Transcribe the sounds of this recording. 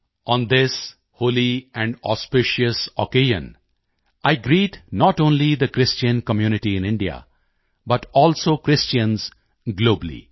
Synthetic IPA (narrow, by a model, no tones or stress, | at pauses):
ɔ̃nd̪ɪs | hoːliɛ̃ɳɔ̰spɪʃəsɔkeːʒə̰̃n | aɪɡɾiːʈnɔʈõːnlid̪əkɾɪst͡ʃə̃nkəmjunɪʈiɪ̃nɪ̃ɳɖia̰ | bʌʈɔːlsoːkɾɪst͡ʃə̃nz | ɡloːblḭ